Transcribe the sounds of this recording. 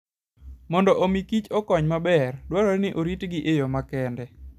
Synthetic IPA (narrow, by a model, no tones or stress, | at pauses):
mɔndɔʔomikit͡ʃɔkɔɲmabɛrdwaɾɔnɪʔoɾitɡɪʔejɔmakɛndɛ